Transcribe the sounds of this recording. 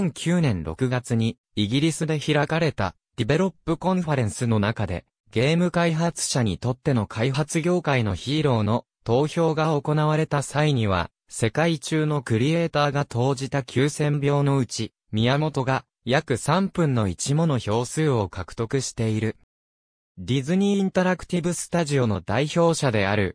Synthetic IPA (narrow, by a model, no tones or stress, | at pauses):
ẽŋkʲʰɨːnẽ̞nɾo̞̰kɯ̟ɡat͡sɨɲ̟i | iɡʲiɾʲisɨd̪e̞çiɾakaɾe̞t̪a̰ | d̪̥ʲebe̞ɾo̞pːɯ̟kõ̞ɰɸaɾẽ̞ɰ̃sɨno̞nakad̪e̞̰ | ɡ̥e̞ːmɯ̟kaiɦat͡sɨ̥ɕaɲ̟it̪o̞t̪ːe̞no̞kʰaiɦat͡sɨɡʲo̞ːkaino̞çiːɾo̞ːno̞ | t̪o̞ːço̞ːɡao̞ko̞naβ̞aɾe̞t̪asaiɲ̟iβ̞a̰ | se̞kait͡ɕɨːno̞kɯ̟ɾʲie̞ːt̪aːɡat̪ʰo̞ːʑit̪akʲʰɨːsẽ̞mbʲo̞ːno̞ɯ̟t͡ɕi | mʲijamo̞t̪o̞ɡa | jakɯ̟sãmpɯ̟̃nːo̞it͡ɕimo̞no̞ço̞ːsɨːo̞kakɯ̟̥t̪o̞kɯ̟ɕi̥t̪e̞iɾɯ̟ | d̪ʲizɨɲ̟ĩːnt̪aɾakɯ̟̥t̪ʲibɯ̟sɨ̥t̪aʑio̞no̞d̪aiço̞ːɕad̪e̞a̰ɾɯ̟̰